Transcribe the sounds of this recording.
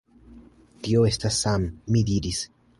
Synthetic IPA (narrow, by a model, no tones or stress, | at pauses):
tioe̞stasːamːidiɾis